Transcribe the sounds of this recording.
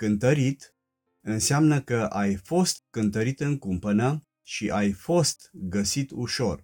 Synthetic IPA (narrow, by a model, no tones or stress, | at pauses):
kɨnt̪əɾit̪ | ɨnseamnəkəʔajfo̞st̪kɨnt̪əɾit̪ɨŋkumpənə | ʃiʔajfo̞st̪ɡəsit̪uʃo̞r